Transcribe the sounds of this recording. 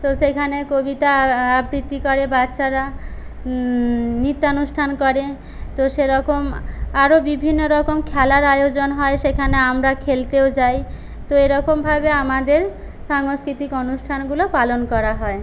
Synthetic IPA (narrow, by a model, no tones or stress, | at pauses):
t̪osekʰanekobit̪aːbɾit̪ːikɔɾebatːʃaɾa | nit̪ːaonusʈʰankɔɾe | t̪oʃeɾɔkomaɾobibʱinːoɾɔkomkʰɛlaɾajod͡ʑonɦɔeʃekʰaneamɾakʰelt̪eod͡ʑaj | t̪oeɾɔkombʱabeamad̪eɾ | ʃaŋoskɾit̪ikonusʈʰanɡulopalonkɔɾaɦɔe